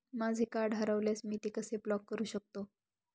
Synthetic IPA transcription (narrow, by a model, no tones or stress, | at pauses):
mad͡zʱekaɖʱaɾaʋljasmiːt̪ekəseplɔkːəɾuːɕək̚t̪o